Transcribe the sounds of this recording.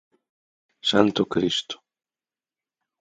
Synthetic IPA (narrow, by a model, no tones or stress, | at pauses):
sant̪okɾist̪o̥